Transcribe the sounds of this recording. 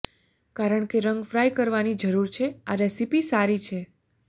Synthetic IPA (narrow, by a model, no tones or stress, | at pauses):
kaɾəɳkeɾəŋɡfɾajkəɾʋanid͡ʒəɾuɾt͡ʃʰeaɾɛsipisaɾit͡ʃʰe